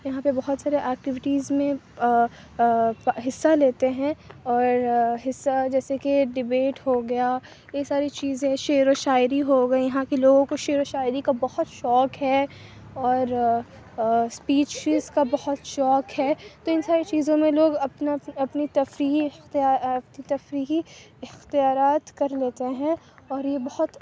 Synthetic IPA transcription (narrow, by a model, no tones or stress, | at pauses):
jɐɦãpebɐɦʊt̪saːɾeʔɛːk̚ʈɪʋɪʈiːzmẽ | ɦɪsːaleːt̪eɦɛ̃ɔːɾɦɪsːad͡ʒɛːsekeɖɪbeːʈɦoɡɐja | jeːksaːɾit͡ʃiːzẽʃeːɾoʃaːɪɾiɦoɡɐejɐɦãkeloːɡõkoʃeːɾoʃaːɪɾikabɐhʊt̪ʃɔːkɦɛ | ɔːɾ | spiːt͡ʃɪzkabɐhʊt̪ʃɔːkɦɛːt̪oɪnsaːɾet͡ʃiːzõmẽloːɡɐpnɐpnit̪ɐfɾiːɦit̪aːɐpnit̪ɐfɾiːɦi | ɪxt̪ijaːɾaːt̪kɐɾleːt̪eɦɛ̃ | ɔːɾjebɐhʊt̪